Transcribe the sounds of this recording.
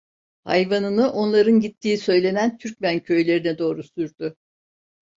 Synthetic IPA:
ha̰jvanɯnɯʔo̞nlˠaɾɯnɟit̪ʰːiːisø̞jlʲe̞nænt̪ʰyɾc̚mæncʰø̞jlʲe̞ɾinɛd̪o̞ːɾusyɾd̪ʊ

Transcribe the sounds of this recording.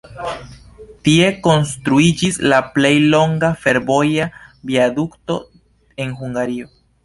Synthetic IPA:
tie̞ko̞nstɾuid͡ʒislaple̞jlo̞ŋɡafe̞ɾbo̞jabiadukto̞̰ | e̞nɦuŋɡaɾio̞

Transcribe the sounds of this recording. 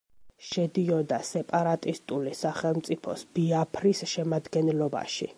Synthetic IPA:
ʃɛd̪iɔd̪asɛpʼaɾat̪ʼist̪ʼulisaχɛlˠmt̪sʼipʰɔ̰sb̥iapʰɾisʃɛmad̪ɡɛnlɔba̰ʃḭ

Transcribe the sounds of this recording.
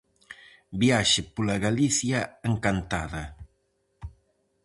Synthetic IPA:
biaʃɪpulaɣalisjaaŋkant̪aða

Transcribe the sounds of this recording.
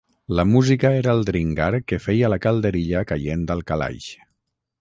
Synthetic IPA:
ləmuzikəeɾəːlˠd̪ɾiŋɡaɾkəfejələkaəlˠd̪əɾiʎəkajend̪əlˠkala̰jʃ

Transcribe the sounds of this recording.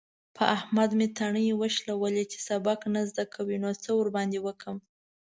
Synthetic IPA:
pʰə̰ʔahmad̪met̪ʰaɳəjewəʃlawəlet͡ʃe̥sabɑknazd̪akʰawinot͡səwəɾbɑnd̪ewəkəm

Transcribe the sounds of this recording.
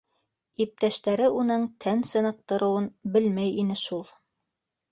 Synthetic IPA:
ip̚t̪æʃt̪æɾɘʔunɤɴt̪ʰænsɤ̆nɤ̆q̚t̪ɤ̆ɾɤ̆wɤnbɘlmæjinɘʃulˠ

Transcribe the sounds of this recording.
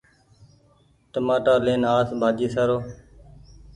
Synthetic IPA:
ʈəmaːʈaːleːnaːsbʱaːd͡ʒiːsaːɾoː

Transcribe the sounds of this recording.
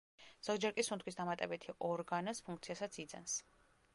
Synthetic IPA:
z̥ɔɡd͡ʒɛɾkʼisunt̪ʰkʰwisd̪amat̪ʼɛbɛt̪ʰiʔɔɾɡanaspʰuŋkʰt̪sʰiasat̪sʰid̪za̰ns

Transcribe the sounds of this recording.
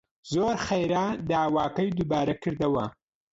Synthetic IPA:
zoːɾxejɾaːd̪ɑːwɑːkɐjd̪ubɑːɾɐkɨɾd̪ɐwɐ

